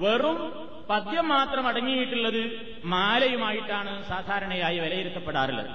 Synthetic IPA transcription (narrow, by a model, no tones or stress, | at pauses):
ʋerum | pɐd̪jɐmːaːt̪rɐmɐɽɐŋːijiʈːuɭːɐðɨ | maːlɐjumaːjiʈːaːɳɨsaːd̪ʱaːɾɐɳɐjaːjiʋɐlɐjiɾut̪ːɐpːeɽaːrilːɐ̰ɨ̰